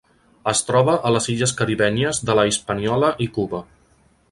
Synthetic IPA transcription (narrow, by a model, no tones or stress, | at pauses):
əst̪ɾɔβəʔələziʎəskəɾiβɛniəzðələispəniɔləʔikuβə